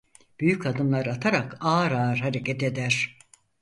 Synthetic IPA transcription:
b̥yjycʰad̪ɯmlˠaɾat̪ʰaɾakaːɾaːɾhaɾe̞cʰet̪e̞d̪æɾ̥

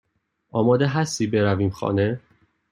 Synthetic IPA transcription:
ɒːmɒːd̪eɦæst̪iːbeɾæviːmxɒ̰ːne

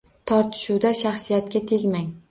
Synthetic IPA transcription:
t̪ʰɒɾt̪ʰɪ̥ʃuwd̪aʃaχsijat̪kʲat̪ʰe̞ɡʲmaŋ

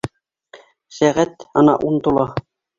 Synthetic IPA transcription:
sæʁæt̪ɑnɑ̰ʔunt̪ulˠɑ

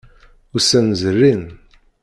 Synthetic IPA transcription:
ʊɾsænzərːin

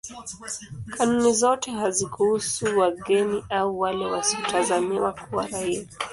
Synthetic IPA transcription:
kʰanunizɔtɛɦazikuhusuwaɠɛniʔauwalɛwasiɔtazamiwakʰuwaɾaia

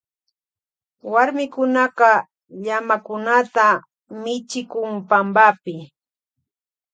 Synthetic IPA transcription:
waɾmɪkʊnɑɢɑ | ʎamakʊnat̪a | mɪt͡ʃɪkʊŋpambapɪ

